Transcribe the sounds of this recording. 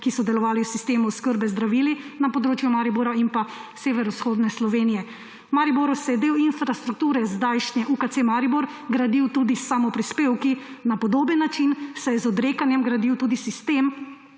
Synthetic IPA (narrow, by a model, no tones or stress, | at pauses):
kisɔd̪ɛlɔʋaːliwsist̪eːmuwskəɾbɛzd̪ɾaʋiːlinapɔd̪ɾoːt͡ʃjumaːɾiboɾainpaseːʋɛɾɔsxoːd̪nɛslɔʋeːnijɛ | maɾiboɾusɛjɛd̪eːwinfɾast̪ɾuk̚t̪uːɾɛzd̪ajʃnɛʔukat̪semaɾiboɾɡɾad̪iwt̪uːd̪isamɔpɾispeːwkinapɔd̪oːbənːat͡ʃinsɛjɛzɔd̪ɾeːkanjɛmɡɾad̪iwt̪uːd̪isist̪em